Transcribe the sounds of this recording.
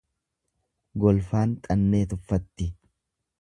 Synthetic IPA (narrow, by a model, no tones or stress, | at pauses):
ɡɔlfaːnt̪ʼɐnːe̞ːt̪ʊfːɐt̪ːɪ